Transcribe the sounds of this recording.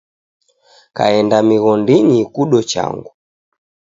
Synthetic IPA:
ka̰ɛndamiɣɔndiɲikuɗɔt͡ʃa̰ŋɡu

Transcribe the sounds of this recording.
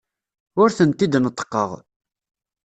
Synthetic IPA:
ʊɾθənt̪ːid̪nət̪ˤːə̥qːəʁ

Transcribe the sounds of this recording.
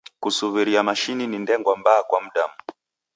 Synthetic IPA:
kusuβiɾiamaʃininindɛŋɡwambaakwam̩ɗam̩

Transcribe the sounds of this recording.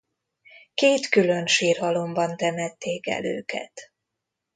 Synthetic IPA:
keːt̪kylø̞nʃiːrɦɒlo̞mbɒnt̪ɛmɛt̪ːeːkɛ̰lø̰ːkɛ̰t̪

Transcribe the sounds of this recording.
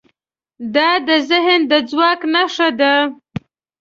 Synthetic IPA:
d̪ɑd̪əzɪɦənd̪əd͡zwɑknaʂad̪a

